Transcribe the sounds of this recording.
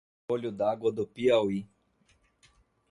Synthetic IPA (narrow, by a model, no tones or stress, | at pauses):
olʲud̪aɡod̪opiawi